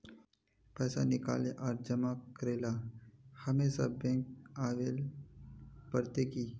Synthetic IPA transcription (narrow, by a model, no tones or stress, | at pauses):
pɛːsanɪka̰ːleʔaːɾd͡ʒəmakəɾeːlahəmeːsabẽːŋk̚aːʋeːl | pəɾt̪ekiː